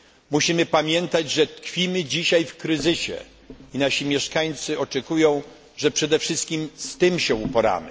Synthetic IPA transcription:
muɕimɘpamʲjɛnt̪ad͡ʑʐɛt̪kfʲimɘd͡ʑiɕajfkɾɘzɘɕɛ̰ | inaɕimʲjɛʂkaɲt̪sɘʔɔt͡ʂɛkujɔ̃w̃ | ʐɛpʂɛd̪ɛfʂɘst̪̚kʲimst̪ɘmɕɛupɔɾa̰mɘ

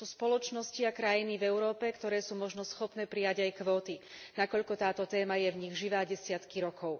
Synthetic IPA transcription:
uspɔlɔt͡ʃnɔsciakɾajinivɛʊɾɔːpɛkt̪ɔɾɛːsuːmɔʒnɔsxɔpnɛːpɾijaɟajkʋɔːt̪inakɔʎkɔt̪aːt̪ɔt̪ɛːmajɛvɲiɣʒiʋaːɟɛsɪat̪kiɾɔkʰɔʊ

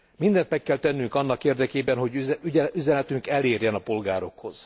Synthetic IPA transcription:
mind̪ɛnt̪mɛkːɛlt̪ɛnːyŋkɒnːɒkeːrd̪ɛkeːbɛnɦo̞ɟyɟɛyzɛnɛt̪yŋkɛleːrjɛnɒpo̞lɡaːɾo̞kho̞z̥

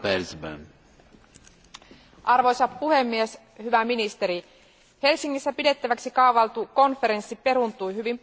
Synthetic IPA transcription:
elsbæ̰n | ʔɑrʋo̞jsɑppuhe̞mːies | hyʋæminist̪e̞ɾi | he̞lsiŋːisːæpide̞t̪ːæʋæksikɑuʋɑlt̪uko̞nfeɾe̞nsːipe̞ɾunt̪ujɦyʋim

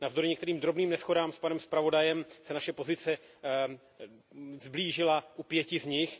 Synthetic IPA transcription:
navzd̪o̞ɾɪɲɛkt̪ɛɾiːmd̪ɾobniːmnɛsxo̞daːmspanɛmspɾavo̞dajɛmsɛnaʃɛpo̞zɪt͡sɛ | zbliːʒɪlaʔupjɛcɪzɲɪx

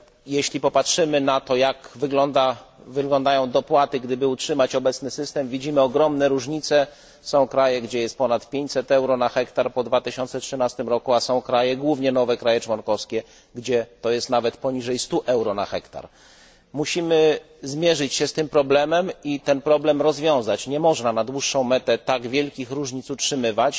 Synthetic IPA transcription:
jeɕlʲipɔpatʂɘmɘnat̪ɔjakvɘɡlɔnd̪avɘɡlɔnd̪ajɔ̃w̃d̪ɔpwat̪ɘɡd̪ɘbɘutʂɘmat͡ɕɔbɛt̪snɘsɘst̪ɛmvʲid͡ʑimɘɔɡɾɔmnɛɾuʐɲit̪sɛ | sɔ̃w̃kɾajɛɡd͡ʑɛjɛst̪̚pɔnat̪pʲjeɲt͡ɕʲsɛt̪ɛwɾɔnaxɛkt̪aɾpɔd̪vat̪ɘɕɔnt̪sɛtʂɘnast̪ɘmɾɔkuasɔ̃w̃kɾajɛɡwuvɲɛnɔvɛkɾajɛt͡ʂwɔnkɔfskʲɛ | ɡd͡ʑɛt̪ɔjɛst̪navɛt̪pɔɲiʐɛjst̪uʔɛwɾɔnaxɛkt̪a̰ɾ | muɕimɘ | zmʲjɛʐɘt͡ɕɕɛst̪ɘmpɾɔblɛmɛmit̪ɛnpɾɔblɛmɾɔzvʲjɔ̃w̃zat͡ɕɲɛmɔʐnanad̪wuʂːɔ̃w̃mɛt̪ɛt̪aɡvʲjɛlkʲixɾuʐɲit̪sutʂɘmɘvat͡ɕ

